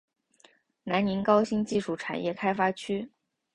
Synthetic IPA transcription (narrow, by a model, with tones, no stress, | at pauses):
na˧˥nni˧˥nkɑ˥ʊɕi˥ŋt͡ɕi˥˧ʂu˥˩ʈ͡ʂʰa̰˨˩njɛ˥˩kʰa˥ɪfa˥t͡ɕʰy˥